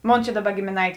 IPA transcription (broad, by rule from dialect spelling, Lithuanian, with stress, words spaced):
ˈmoːn t͡ʃʲɛ ˈdɑːˌbɐ ɡʲeːmʲeːˈnɐɪtʲeː